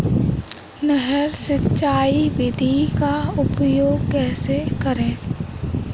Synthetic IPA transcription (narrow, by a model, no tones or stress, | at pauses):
nəɦɛɾʃɪtːʃaːiʋɪd̪ʱikaʊpjoːɡkɛːsekəɾẽː